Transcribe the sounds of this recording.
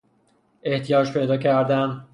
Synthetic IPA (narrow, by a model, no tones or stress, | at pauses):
e̞ht̪ʰijɒːd͡ʒpʰe̞jd̪ɒːcʰæɾd̪æn